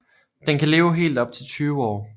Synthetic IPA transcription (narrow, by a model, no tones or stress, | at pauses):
d̥enkʰæle̝ːʊɦe̝̰ːld̥ɒ̽b̥̚t͡sʰe̝lt͡sʰyːʋəɒ̰ː